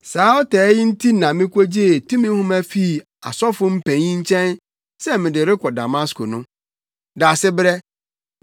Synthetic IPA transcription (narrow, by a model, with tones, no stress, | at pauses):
saː˨˦ɔ˦tɛː˨˦jɪ˦n̩˦tʰi˦nã˨mɪ̃˦kʷo˦d͡ʑe˦˨tʰũ˦mĩ˦hʊ̃˦mæ˨fi˦˨ | a̰˨sɔ˦fʊ˦m̩˦pʰæ̃˨ɲĩ˦ɲ̩˦t͡ɕʰɛ̃˦n | sɛ˦mɪ̃˨dɪ˨ɾɪ˦kʷʰɔ˨da̰˨mã˦skʰo˨nʊ̃˦ | da˨sɪ˦bɾɛ˦